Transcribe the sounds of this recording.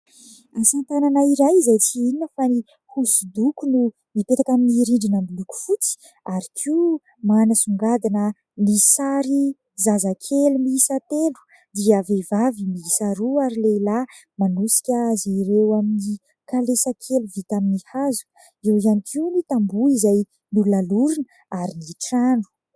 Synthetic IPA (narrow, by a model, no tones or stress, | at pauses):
asant̪ananaiɾajzajt͡siininəfani | husud̪ukunu | mipet̪akaminiːɾiɳɖ͡ʐinambiluku̥fut͡si̥ | aɾikʰiu | manəsuŋɡad̪inə | nisaɾi | zazakʰelumiisat̪elu̥ | d̪iəvevavimiisaɾuaɾileila | manusi̥kʲazeiɾewamini | kalesakʰeluvit̪aminihazu̥ | ewianikiunit̪ambuizaj | nulunaluɾinə | aɾiniʈ͡ʂaɳu̥